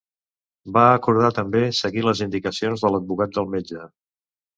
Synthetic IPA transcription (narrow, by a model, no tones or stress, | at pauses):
baəkuɾð̞at̪əmbesəɣiləzind̪ikəsionzðələd̪̚bukat̪̚d̪əlˠmed͡ʒə